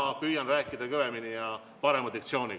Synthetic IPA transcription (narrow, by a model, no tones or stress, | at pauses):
ɑpyːjɑnræːkːˑid̪̥ɑkɤve̞minijɑ | pɑɾe̞mɑd̪ik̚t̪sio̞ːni